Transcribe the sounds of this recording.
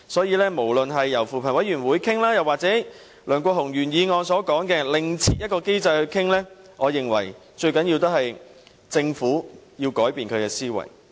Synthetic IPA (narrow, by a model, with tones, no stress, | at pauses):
sɔː˨˥jiː˧lɛː˥mo˨˩wlɵ˨nɦɐ˨jːɐ˨˩wfuː˨pʰɐ˨˩nwɐ˨˥jyː˨˩nwuː˨˥jkʰɪ˥ŋlaː˥jɐ˨˩waː˨k̚t͡sɛː˨˥ | lœː˨˩ŋkʷɔː˧ɦʊ˨˩ŋjyː˨˩njiː˨˧ŋɔː˨˧nsɔː˨˥kɔː˨˥ŋkɛː˧lɪ˨ŋt͡sʰiː˨t̚jɐ˥t̚kɔː˧ke˥jt͡sɐ˧jhɵ˧ɥkʰɪ˥ŋlɛː˥ŋɔː˨˧jɪ˨ŋwɐ̰˨˩j | t͡ʃɵ˧ɥkɐ˨˥njiː˧wt̪o˥whɐ˨j | t͡sɪ˧ŋfuː˨˥jiː˧wkɔː˨˥jpiː˨nkʰɵ˨˧kɛː˧siː˥wɐ̰˨˩j